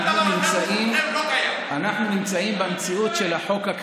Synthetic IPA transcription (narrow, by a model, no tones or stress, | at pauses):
aunimt͡saim | anaħnunimt͡saimbemt͡siutʃe̞laħo̞kak